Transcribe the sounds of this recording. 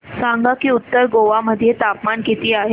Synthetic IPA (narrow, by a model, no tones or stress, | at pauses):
saŋɡakiːut̪ːəɾɡoʋaməd̪ʱjet̪apmanket̪iːaɦe